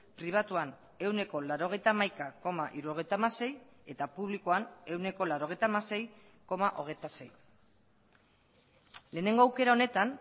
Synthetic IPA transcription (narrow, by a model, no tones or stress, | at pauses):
pɾiβ̞at̪uan | e̞wne̞ko̞laɾo̞ɣ̞e̞jt̪amajkako̞maʔiɾuo̞ɣ̞e̞jt̪amase̞je̞t̪apuβlikoane̞wne̞ko̞laɾo̞ɣe̞jt̪amase̞j | ko̞maʔo̞̰ɣ̞e̞jt̪ase̞j | le̞ːne̞ŋɡo̞awke̞ɾao̞ne̞t̪an